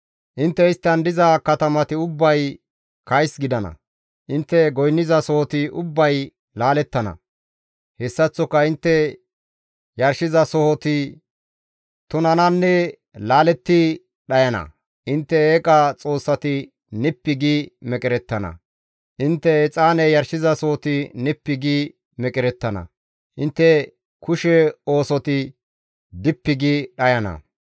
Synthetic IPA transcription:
ʔɪnt̪ːɛɪst̪ːɐnd̪ɪzɐkɐt̪ɐmɐt̪ɪʊbːɐj | kɐjsɡɪd̪ɐnɐ̰ | ʔɪnt̪ːɛɡɔjnːɪzɐsɔhɔt̪ɪʔʊbːɐj | laːlɛt̪ːɐnɐ̰ | hɛsːɐt͡sːɔkːɐɪnt̪ːɛ | jɐɾʃɪzɐsɔhɔt̪ɪ | t̪ʊnɐnɐnːɛ | laːlɛt̪ːɪ | ɗɐjɐnɐ̰ | ʔɪnt̪ːɛeːkʼat͡sʼo̞ːsːɐt̪ɪ | nɪpːɪɡimɛkʼɪɾɛt̪ːɐnɐ̰ | ʔɪnt̪ːɛɛt͡sʼaːnɛjɐɾʃɪzɐsɔhɔt̪ɪnɪpːɪɡi | mɛkʼɪɾɛt̪ːɐnɐ̰ | ʔɪnt̪ːɛ | kʰʊʃɛo̞ːsɔt̪ɪ | d̪ɪpːɪɡiɗɐjɐnɐ̰

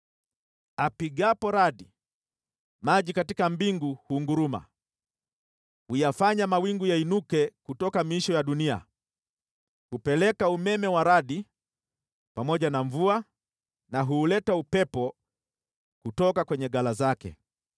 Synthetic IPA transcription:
apiɡapɔɾaɗi | maʄikatikambiŋɡuhuːŋɡuɾuma̰ | hujafaɲamawiŋɡujainukɛkutɔkamiiʃɔjaɗunia̰ | hupɛlɛkaumɛmɛwaɾaɗi | pamɔʄanaɱvua | naɦuːlɛtaupɛpɔ | kutɔkakwɛɲɛɡalazakɛ̰

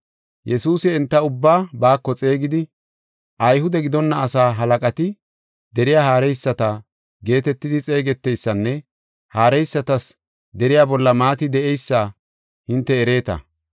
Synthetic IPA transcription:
jʔɛsuːsɪɛnt̪ːɐʊbːaːbaːkːɔt͡sʼe̞ːɡɪd̪ɪ | ʔɐjɦʊd̪ɛɡɪd̪ɔnːɐːsaːɦɐlɐkʼɐt̪ɪ | d̪ɛɾɪjaːhaːɾɛjsːɐt̪ɐ | ɡe̞ːt̪ɛt̪ːɪd̪ɪt͡sʼe̞ːɡɛt̪ːɛjsːɐnːɛ | haːɾɛjsːɐt̪ɐs | d̪ɛɾɪjaːbɔlːɐmaːt̪ɪd̪ɛʔɛjsːa | hɪnt̪ːɛːɾe̞ːt̪ɐ̰

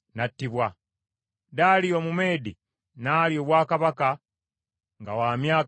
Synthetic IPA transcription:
natːiβwa | daːliomume̞ːdi | naːljoːβwaːkaβaka | ŋɡawaːmjaː

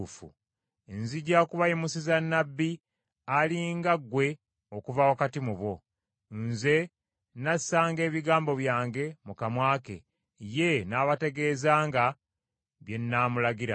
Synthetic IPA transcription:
fṵ | enziɟakuβajimusizanːabːi | aliŋɡaɡwe̞ | okuvawokatimuβo̞ | nze̞ | nasaːŋɡe̞ːβiɡaːmbo̞βjaːŋɡe̞mukamwaːke̞̰ | je̞naːβate̞ɡe̞ːzaːŋɡa | βje̞nːaːmulaɡiɾa

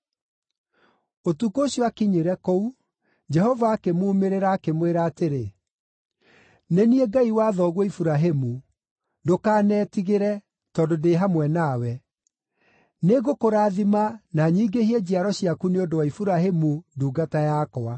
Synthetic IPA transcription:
otukoɕjɔakiɲeɾɛkou | d͡ʒɛɦɔvaːkemuːmeɾeɾaːkemweɾaːteɾe | neniɛɡaiwaːðɔɣwɔifuɾaɦemu | dokaːnɛːtiɣeɾɛ | tɔdodeɦamwɛnawɛ | neɣokoɾaːðimanaɲiɡehiɛd͡ʑiaɾɔɕiakuneodowaifuɾaɦemuduːɡatajakɔa

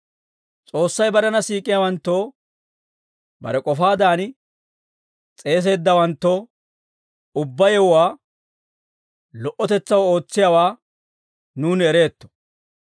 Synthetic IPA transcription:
t͡sʼo̞ːsːɐjbɐɾɐnɐsiːkʼːɪjawɐnt̪ːo̞ː | bɐ̰ɾɛkʼɔfaːd̪aːn | t͡sʼe̞ːs̬e̞ːd̪ːɐwɐnt̪ːoː | ʊbːɐjɛwwaː | lɔʔɔt̪ɛt͡sːɐwo̞ːt͡sːɪjawaː | nuːnɛɾe̞ːt̪ːɔ̥

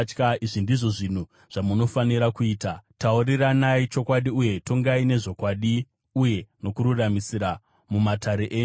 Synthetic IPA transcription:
kaiʐindiʐo̞ʐin̤u | ʐ̥amuno̞faniɾakuiːtatauriranait͡ʃo̞kwaɗiuje̞to̞ŋɡaine̞ʐo̞kwaɗi | uje̞no̞kuɾuramisiɾa | mumataɾeʔeːɲ

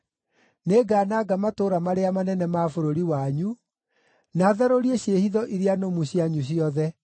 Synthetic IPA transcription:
neɡaːnaɡamatoːɾamaɾeamanɛnɛmafoɾoɾiwaɲu | naðaɾoɾieɕehiðɔʔiɾianomuɕjaɲuɕ̬jɔðɛ

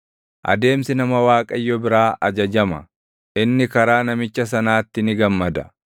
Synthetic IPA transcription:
ʔɐ̰d̪e̞ːmsɪnɐmɐwaːkʼɐjːɔbɪɾaːʔɐd͡ʒɐd͡ʒɐmɐ̰ | ʔɪnːɪkɐɾaːnɐmɪt͡ʃːɐs̬ɐnaːt̪ːɪnɪɡɐmːɐd̪ɐ

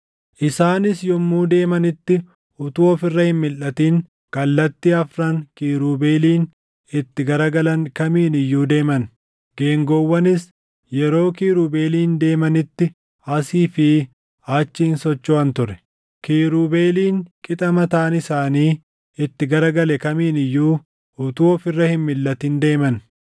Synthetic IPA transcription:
ʔɪsaːnɪsjɔmːuːd̪e̞ːmɐnɪt̪ːɪ | ʔʊt̪ʊoːfɪrːɐhɪmmɪlʔɐt̪iːŋ | kɐlːɐt̪ːɪɐfɾɐŋkiːɾuːbeːliːn | ɪt̪ːɪɡɐɾɐɡɐlɐŋkɐmiːnɪjːuːd̪e̞ːmɐn | ɡ̥e̞ːŋɡɔwːɐnɪs | jɛɾo̞ːkiːɾuːbe̞ːliːnd̪e̞ːmɐnɪt̪ːɪ | ɐsiːfɪ | aːt͡ʃːiːnsɔt͡ʃːoːɐnt̪ʊrɛ̥ | kiːɾuːbeːliːŋkʼɪt̪ʼɐmɐt̪aːnɪsaːniː | ɪt̪ːɪɡɐɾɐɡɐlɛkɐmiːnɪjːuː | ʊt̪uːɔfɪrːɐhɪmmɪlːɐt̪iːnd̪e̞ːmɐn

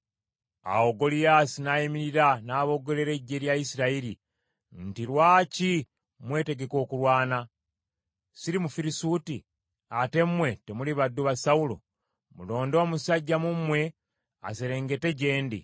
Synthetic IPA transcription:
a̰oɡo̞lijaːsinaːjimiɾiɾanaːβo̞ɡo̞le̞ɾe̞ɟːe̞ɾjaisiɾaiɾi | n̩tiɾwaːci | mwe̞ːte̞ɡe̞ko̞ːkuɾwaːna | siɾimufiɾisuti | ate̞mmwe̞temuliβadːuβasaulo̰ | mulo̞ːndo̞ːmusaɟːamumwe̞ | a̰seɾe̞ːŋɡe̞te̞ɟe̞ːndḭ

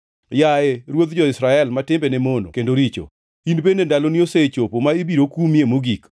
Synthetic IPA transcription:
jaeɾwot̪d͡ʒɔɪsɾaɛlmatɪmbenemono̰kendoɾit͡ʃo̰ | inbenendalonioset͡ʃopomaebiɾokumjemoɡik

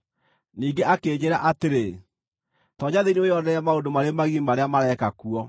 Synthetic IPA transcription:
niːɡeʔakeːɲeɾaʔateɾe | tɔɲaðeniojɔnɛamaodomaɾemaɣimaɾeamaɾɛkakuɔ

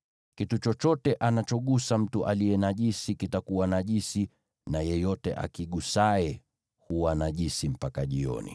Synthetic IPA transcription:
kitut͡ʃɔt͡ʃɔtɛʔanat͡ʃɔɠusam̩tuʔalijɛnaʄisikitakuwanaʄisi | najɛjɔtɛ̰ʔa̰kiɠusaɛ | huwanaʄisim̩pakaʄiɔ̰nḭ

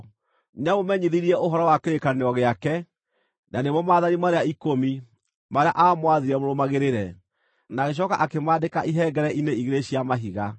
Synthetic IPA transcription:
namomɛɲiðiɾiɛʔoɦɔɾɔwakeɾekaneɔɣeakɛ | nanemɔmaːðanimaɾeaikomi | maɾea̰ʔamwaðiɾɛmoɾomaɣeɾeɾɛ | naɣeɕ̬ɔkaʔakemaːdekaʔiɦɛːɡɛɾɛʔineiɣeɾeɕiamaɦiɣa

